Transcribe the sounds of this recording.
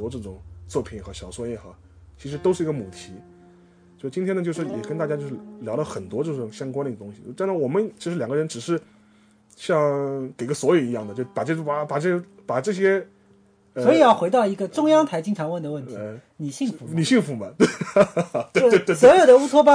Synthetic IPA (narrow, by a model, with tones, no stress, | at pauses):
wɔ˥ʈ͡ʂɤ˥˩ʈ͡ʂʊ˨˩ŋt͡swɔ˥˩pʰi˨˩nxɤ˧˥ɕjɑ˨˩ʊswɔ˥˧jɛ˥˩xa˥˩ | t͡ɕʰi˧˥ʂɻ̩˧˥t̪o˥ʂɻ̩˥˩i˧˥ɡə˧mu˨˩t̪ʰi˧˥ | o˥˧ʂt͡ɕi˥nt̪ʰjɛ˥nə˧jo˥˧ʊ˩ʂɻ̩˥˩jɛ̰˨˩kə˥nt̪a˥˩t͡ɕja˥jo˥˧ʊʂɻ̩˥˩ljɑ˧˥ʊlə˧xə˨˩nt̪wɔ˥ʈ͡ʂɤ˥˧˩ʈ͡ʂʊ˨˩ŋɕjɑ˥ŋkwa˥nd̪ə˧˥˩ə˩t̪ʊ˥ŋɕi˨˩˥ʈ͡ʂ̪na˥˩wɔ˨˩mə˦nt͡ɕʰi˧˥ʂɻ̩˧˥ljɑ˨˩ŋɡə˧ɻə˧˥nʈ͡ʂɻ̩˨˩ʂɻ̩˥˧ | ɕjɑ˥˧ŋke˨˩ɪ˧˥ə˧swɔ˧˥jo˨˩i˧˥jɑ˥˩ŋd̪ə˩t͡ɕo˥˧ʂpa˨˩ʈ͡ʂɤ˥˩˥a˨˩pa˨˩ʈ͡ʂɤ˥˩ɕɛ˥ | pa˨˩ʈ͡ʂɤ˥˩ɕ̬jɛ˥ | əsɔ˧˥i˨˩jɑ˥˩xwe˧˥ɪt̪ɑ˥˩ʊi˧˥ɡə˧ʈ͡ʂʊ˥ŋjɑ˥ŋt̪ʰa˧˥ɪt͡ɕi˥ŋʈ͡ʂʰɑ˧˥ŋwə˥˩nd̪ə˩wə˥˩nt̪ʰi˧˥˧ni˨˩ɕi˥˩fu˧˦ni˨˩ɕi˥˩ŋfu˧˥˦mɐ˧t̪ | t̪t̪wswɔ˧˥jo˨˩d̪ə˦u˥t̪ʰwɔ˥pa˥